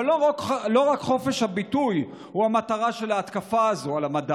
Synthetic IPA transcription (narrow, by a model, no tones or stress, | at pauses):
loʁaklo̞ʁakχo̞fe̞ʃhabituj | huamat̪aʁaʃe̞laːt̪kafaːzo̞alamada